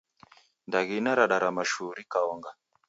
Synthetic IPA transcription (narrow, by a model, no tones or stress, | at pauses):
ndaɣinaɾaɗaɾamaʃuɾikaɔŋɡa